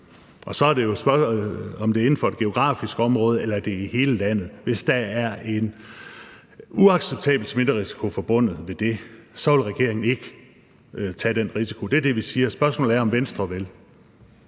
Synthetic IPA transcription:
ʔɒ̽sɒ̽æɐɾe̝jo̝sb̥ɶɒ̽md̥e̝æɐe̝n̩fɒ̽e̝d̥ɡ̥e̝o̝ɡ̥ʁɑ̰̈ːfisɡ̥ɒ̽mʁɔːð̞ˠelɐæɐd̥e̝ihe̝ːləlæn̰ð̩ˠʋe̝sd̥ææɐʔe̝n | uɑ̈ɡ̥seb̥̚t͡sʰɛ̰ːb̥l̩d̥sme̝d̥ɐʁisi̥kʰo̝fɒ̽b̥ɔ̽n̰ð̩ˠʋe̝d̥e̝sɒ̽ʋe̝lʁɛɡ̥e̝ɐ̰e̝ŋn̩e̝ɡ̥ə | t͡sʰɛd̥enʁisi̥kʰo̝d̥eæɐd̥e̝ʋisiːɐsb̥ɶɐsmɔ̰ːl̩ˠɐɒ̽mʋensd̥ʁɐʋel

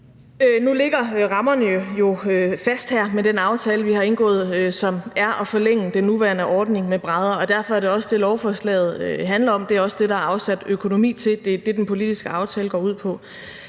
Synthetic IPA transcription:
ønule̝ɡ̥ɐʁɑ̈mɐnəjojo̝øfæsd̥hæɐ̰med̥enɑ̈ʊt͡sʰɛːləʋihɑ̈e̝nɡ̥ɔ̰̽ːð̞̩ˠsɒ̽mæɐʔɒ̽fɒ̽leŋ̰əd̥enːuʋæɐnəʔɒːd̥ne̝ŋmeb̥ʁɑð̞ˠɐɒ̽d̥æɐfɒ̽æɐɾ̥e̝ɒ̽səd̥e̝lɒʊfɒslɛ̰ɪð̞̩ˠøɦænlɐɒ̽md̥e̝æɐɒ̽səd̥e̝ɾɑɑ̈ʊsæd̥økʰo̝no̝mḭːt͡sʰe̝d̥e̝d̥e̝d̥enpʰo̝lid̥isɡ̥əɑ̈ʊt͡sʰɛːləɡ̥ɒ̰ːuð̰ˠpʰɒ̽

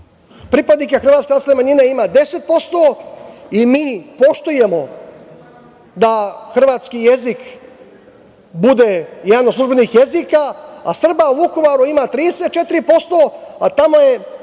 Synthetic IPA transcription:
pɾipad̪nikexr̩ʋat̪kenasnemaɲineimad̪e̞se̞t̪̚po̞st̪o | imiːpo̞ʃt̪uje̞mo̞ | d̪axr̩ʋaːt̪skijezik | bud̪ejed̪anosˠuʒbe̞nixje̞zika̰ːsr̩bauʋuko̞ʋaɾuimat̪ɾiːd̪eset̪̚t͡ʃe̞t̪iɾipo̞st̪o̞at̪amoje̞

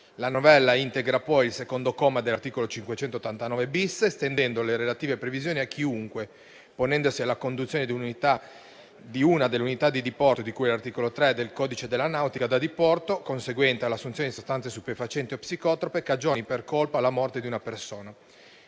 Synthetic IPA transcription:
lanovɛlːaint̪eɡɾapɔjilsekond̪okɔːmad̪elːart̪iːkolot͡ʃiŋkwet͡ʃɛnt̪ot̪ːant̪anɔːvebisːest̪end̪ɛnd̪oleɾelat̪iːvepɾevizjoːniak̟ːiuŋkwe | ponɛnd̪osialːakond̪ut̪sjoːned̪iununit̪a | d̪iunad̪elːunit̪ad̪id̪ipɔrt̪od̪ikujɛlart̪ikolot̪ɾed̪elkɔːd̪it͡ʃed̪elːanawt̪ikad̪ad̪ipɔrt̪okonseɡwɛnt̪ealasːunt̪sjoned̪isost̪ansesupefat͡ʃɛnt̪iopsikɔt̪ɾopekad͡ʒoːniperkolpalːamɔrt̪ed̪iunapersoːna

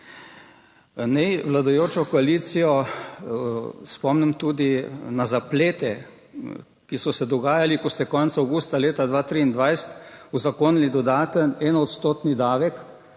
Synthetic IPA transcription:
nɛjʋlad̪ujoːt͡ʃɔkɔalit̪sijɔ | spɔmnɛmt̪ud̪inazapleːt̪ɛ | kisɔsɛd̪ɔɡaːjalikɔst̪ɛkɔnt̪saawɡuːst̪aleːt̪ad̪ʋaːt̪ɾiːind̪ʋajsə̥t̪uzakoːnilid̪ɔd̪aːt̪ənɛːnɔt̪st̪oːt̪nid̪aːʋɛk

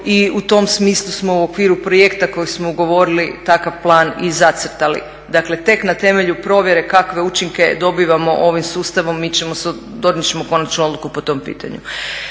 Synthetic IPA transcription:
iut̪o̞msmiːslˠusmo̞uokʋiːɾupɾoje̞kt̪ako̞jismo̞uɡo̞ʋo̞ɾilit̪akaʋplˠaːnizat̪srt̪alḭ | d̪akle̞t̪e̞knat̪e̞me̞ʎupɾo̞ʋje̞ɾe̞kakʋe̞ut͡ʃiŋke̞d̪o̞biːʋamo̞ʔoʋimsuːst̪aʋo̞mːit͡ɕemos | d̪od̪nit͡ɕemoko̞nat͡ʃnuod̪lukupo̞t̪o̞ːmpḭːt̪a̰ɲṵ

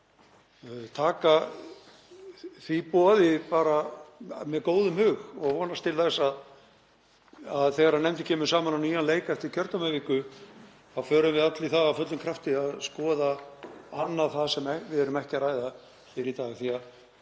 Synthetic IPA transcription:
t̪ʰaːka | θvipɔːðɪpaːɾamɛðkoːwðʏmhʏɣɔɣvɔːnast̪ʰɪlθɛsːað | aðθɛɣaɾanɛmt̪ɪ̥cʰɛːmʏ̥saːmananiːɣanleːjkaɛft̪ɪɾ̥cʰœɾt̪amɛvikʏ | awfœːɾʏmvɪðat̪lɪθaːɣawfœt̪lʏmkʰɾaft̪ɪaðskɔːðaanːaθaðsɛmɛvɪðɛɾʏmɛhcɪɾaːjða | fɪɾɪt̪aːɣθia

